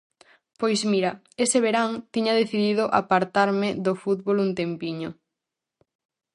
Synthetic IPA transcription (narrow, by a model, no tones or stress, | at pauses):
pojzmiɾɐ | eseβeɾaŋt̪iɲaðeθiðiðʊʔa̰paɾt̪aɾmɪðofut̪βolunt̪empiɲo